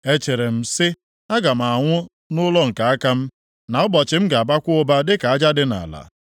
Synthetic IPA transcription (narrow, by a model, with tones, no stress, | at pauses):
e˦t͡ʃe˨ɾe˨m̩˨sɪ˦ | a˦ɡa˨m̩˨a˨ŋʷʊ˦ | nʊ˦lɔ˦ŋ̩˨ka˨a˦ka˦m̩˦ | na˨ʊ˦bɔ˨t͡ʃɪ˨m̩˦ɡa˨a˨ba˦kʷʊ˦ʊ˦ba˦dɪ˦ka˨a˦d͡ʒa˦dɪ˦na̰˨la̰˨